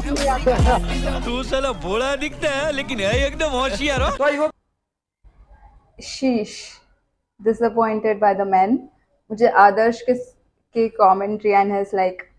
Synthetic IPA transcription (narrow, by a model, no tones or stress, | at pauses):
ad̪ɐt̪usɐlaboːɽad̪ɪk̚ʰt̪aɦɛleːkɪnɐiekd̪əmɦɔ̃ʃiaɾotoi | ʃiːʃ | ɖɪsəpɔ̃ɪ̃ɳʈeɖ̚baɪd̪əmɛ̃ːn | mʊd͡ʒʱeʔaːd̪əɾʃkɪs | kikɔːmɛ̃ɳʈɾiɛ̃nɦɛzlaɪk